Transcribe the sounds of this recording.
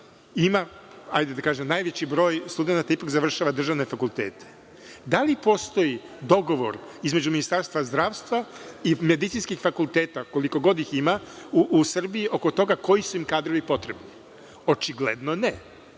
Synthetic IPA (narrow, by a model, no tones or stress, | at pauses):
ima | a̰jd̪ed̪akaːʒemnaːjʋet͡ɕibɾo̞ːjst̪ud̪enat̪aipakzaʋr̩ʃaʋad̪r̩ʒaʋne̞fakulˠt̪eːt̪ʰe̥ | d̪alipo̞st̪o̞jid̪o̞ɡo̞ʋo̞̰ɾizme̞d͡ʑuminist̪aɾst̪ʋazd̪ɾaːʋst̪ʋaime̞d̪it̪sinskixfakulˠt̪eːt̪ako̞liko̞ɡo̞d̪iximauʔːsr̩biiʔo̞ko̞t̪o̞ɡako̞jisuimkaːd̪ɾo̞ʋipo̞t̪ɾe̞bni | o̞t͡ʃiɡled̪none